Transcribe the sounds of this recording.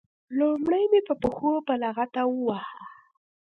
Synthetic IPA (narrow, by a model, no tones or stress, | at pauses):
lomɽajmepəpəxopəlaɣat̪awəwaha